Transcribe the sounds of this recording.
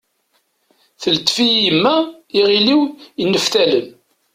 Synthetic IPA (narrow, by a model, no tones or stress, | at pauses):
θəlt̪ːfijəmːæiʁiliwənːəfθæləm